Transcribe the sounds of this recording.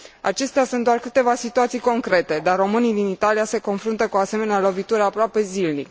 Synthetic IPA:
a̰t͡ʃe̞st̪easunt̪d̪oarkɨt̪e̞vasit̪uat̪sijko̞ŋkɾe̞t̪e̞d̪arro̞mɨnid̪init̪alijase̞ko̞nfɾunt̪əkuase̞me̞nealo̞vit̪uɾəapɾoape̞zilnḭk

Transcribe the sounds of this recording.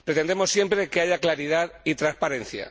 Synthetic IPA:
pɾe̞t̪end̪e̞mo̞sːje̞mpɾe̞ke̞aʝaklaɾiðaðit̪ɾaspaɾe̞nθja̰

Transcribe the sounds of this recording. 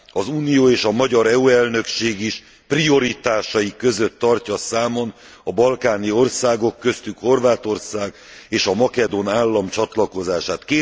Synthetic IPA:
ɒzuːnijoːeːʃɒmɒɟɒɾɛuɛlnø̞kʃeːɡiʃ | prio̞ɾit̪aːʃɒjikːø̞zø̞t̪ːɒrcɒsaːmon | ɒbɒlkaːnio̞rsaːɡo̞kːø̞st̪ykho̞rvaːt̪o̞rsaːɡ | eːʃɒmɒkɛd̪o̞naːlːɒmt͡ʃɒt̪lɒko̞zaːʃaːt̪keː

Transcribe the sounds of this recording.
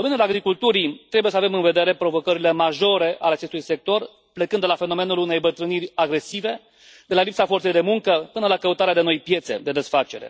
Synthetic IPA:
ominulaɡɾikult̪uɾit̪ɾe̞buje̞səave̞mɨnve̞d̪e̞ɾe̞pɾo̞vo̞kəɾile̞maʒo̞ɾe̞ʔaleat͡ʃe̞st̪ujse̞k̚t̪o̞r | plekɨnd̪lafe̞no̞me̞nulune̞jbət̪ɾɨnirʲaɡɾe̞sive̞ | d̪e̞lalipsafo̞rt̪sejd̪e̞muŋkəpɨnəlakəut̪aɾead̪e̞no̞jpje̞t̪se̞̰d̪e̞d̪e̞sfat͡ʃe̞ɾe̞̰

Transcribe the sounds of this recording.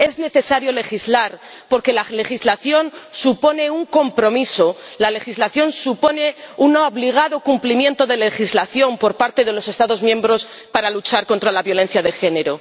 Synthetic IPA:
e̞zne̞θe̞saɾjo̞le̞xizlaɾ | po̞ɾke̞lale̞xizlaθjo̞nsupo̞ne̞uŋko̞mpɾo̞miso̞lale̞xizlaθjo̞nsupo̞ne̞unaoβliɣ̞aðo̞kumplimje̞nt̪o̞ðe̞le̞xizlaθjo̞mpo̞ɾpaɾt̪e̞ðe̞lo̞se̞st̪aðo̞zmjẽ̞mbɾo̞s | paɾalut͡ʃaɾko̞nt̪ɾalaβjo̞le̞n̟θjaðe̞xe̞ne̞ɾo̞

